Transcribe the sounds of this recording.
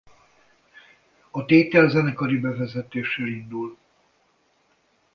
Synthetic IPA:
ɒt̪eːt̪ɛlzɛnɛkɒɾibɛvɛzɛt̪eːʃeːlind̪ul

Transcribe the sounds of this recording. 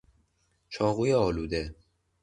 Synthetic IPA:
t͡ʃʰɒːɣuːjeɒːluːd̪e̞

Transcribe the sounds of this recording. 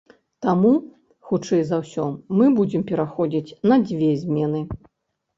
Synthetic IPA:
t̪amu | xut͡ʂɛjzɐwsʲɔmɨbud͡zʲɛmpʲɛɾaxɔd͡zʲit͡sʲnɐd͡zʲvʲɛzʲmʲɛnɨ

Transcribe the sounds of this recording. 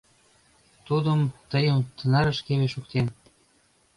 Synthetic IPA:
t̪ud̪ə̆mt̪ə̆jəmt̪ənɑɾə̆ʃkeβeʃukt̪en

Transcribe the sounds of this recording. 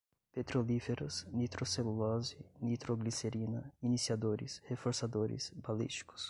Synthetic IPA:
pet̪ɾolifeɾɐsnit̪ɾoselulɔzinit̪ɾoɡliseɾinɐinisiad̪oɾḭshefoɾsad̪oɾɪ̰sbalḭst͡ʃi̥kʊ̥s

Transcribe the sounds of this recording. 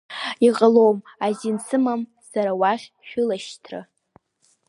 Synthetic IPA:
iqʼəlowm | azinsʰɨmam | saɾawaχʲʃʷᶣʊlaʃtʰrɨ̰

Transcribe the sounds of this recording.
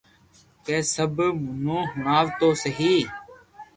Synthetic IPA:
keːsəbmʊnõːɦʊɳaːʋt̪oːsəɦiː

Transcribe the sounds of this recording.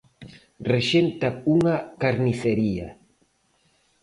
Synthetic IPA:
reʃent̪auŋakaɾniθeɾia̰

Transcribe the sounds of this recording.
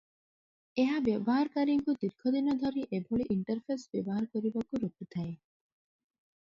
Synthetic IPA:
eɦabjebɔɦaɾkaɾiŋkud̪iɾkʰɔd̪inɔd̪ʱɔɾiʔebʱɔɭiʔiɳʈɔɾpʰesbjɔbɔɦaɾɔkɔɾibakuɾoput̪ʰae

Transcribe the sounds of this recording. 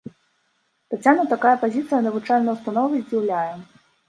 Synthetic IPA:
t̪at͡sʲanɐt̪akajɐpazʲit̪sɨjɐnɐvut͡ʂalʲnɐwst̪anɔvɐzʲd͡zʲiwlʲajɛ

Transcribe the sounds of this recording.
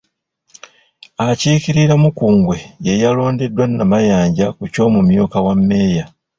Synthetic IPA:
aciːkiɾiɾamukuːŋɡwe̞je̞jalo̞ːndedːwanːamajaːɲɟakuco̞ːmumjuːkawamːe̞ːja

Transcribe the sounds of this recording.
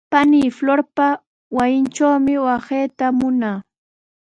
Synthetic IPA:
paniːfloɾpa | wajɪnt͡ʃawmɪwɑseːt̪amʊnaː

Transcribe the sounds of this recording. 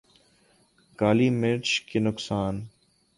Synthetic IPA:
kaːliːmɪɾt͡ʃkeːnʊksaːn

